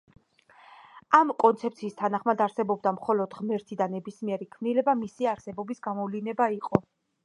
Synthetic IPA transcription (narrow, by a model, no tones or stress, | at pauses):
amkʼɔnt̪sʰɛpʰt̪sʰiːst̪ʰanaχmad̪aɾsɛbɔbd̪amχɔlɔd̪ʁmɛɾt̪ʰid̪anɛbismiɛɾikʰmnilɛbamisiaɾsɛbɔbisɡamɔvlinɛbaiqʼɔ